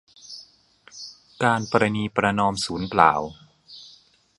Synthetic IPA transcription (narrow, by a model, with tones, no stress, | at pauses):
kaː˧npɔ˧ɾa˧niː˧pɾa˧nɔː˧msuː˩˦npla̰ː˩˦w